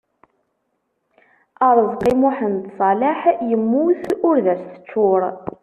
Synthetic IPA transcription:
əɾˤəzˤqimʊħənd̪sˤɑlaħjəmːuθʊɾðæst̪ə̥t͡ʃːʊɾˤ

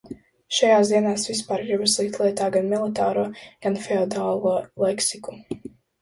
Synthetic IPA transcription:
ʃajaːsd̪iɛnaːsvis̬paɾɡɾibaslˠik̚t̪lˠiɛt̪aːɡanmilˠit̪aːɾuɔɡ̥anfɛɔd̪aːlˠuɔlˠɛksiku

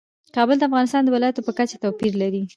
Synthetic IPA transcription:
kɑbəld̪əafɣɑnɪst̪ɑnd̪əwɪlɑjat̪opəkat͡ʃḁt̪apiɾlaɾi

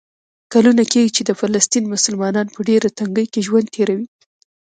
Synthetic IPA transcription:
kalunakeɡit͡ʃed̪əfalast̪inmʊsʊlmɑnɑnpəɖeɾat̪aŋɡəjkeʒwand̪̚t̪ʰeɾawi

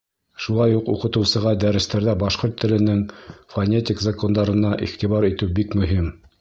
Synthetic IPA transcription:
ʃulˠɑjuqṵqɤ̆t̪ɤ̆wsɤ̆ʁɑd̪æɾɘ̆st̪æɾðæbɑʃqoɾt̪ʰːɘ̆lɘ̆nɘŋfɐnʲet̪ʲikzakond̪ɑɾɤ̆nɑʔḭχt̪iβɑɾit̪ɘwbikmɵ̆ɦim

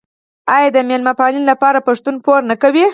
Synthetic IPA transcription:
ɑjɑd̪əmelmapɑlinlapɑɾapaʂt̪unpoɾnakawi

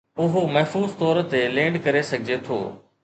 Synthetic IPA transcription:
ʊɦomɐɦfuːzt̪ɔːɾt̪elẽːɳɖkɐɾesɐɡʱɪd͡ʑet̪ʰo̰ː

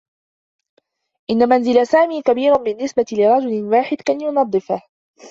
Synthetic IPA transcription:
ʔɪnːamanzɪlasaːmiːkabiːɾʊnbɪnːɪsbat̪lɪɾˤɑd͡ʒʊlwaːħɪd̪kanjʊnɑd̪ˤːɨfah

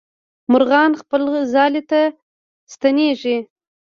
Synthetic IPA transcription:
mʊɾɣɑnχpəlzɑlet̪a | st̪aneʐi

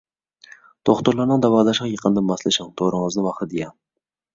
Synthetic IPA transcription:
t̪ʰoχt̪ʊɾlˠɑɾnɨŋd̪ɑwɑːd̪ɑʃʁɑjəqʰənd̪ɪmːɑslˠɨʃɪŋt̪ʰoɾəŋəznɨvɑχt̪ɨd̪ijɛŋ

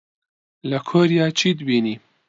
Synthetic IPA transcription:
lɐkʰoɾjaːt͡ʃʰid̪bini

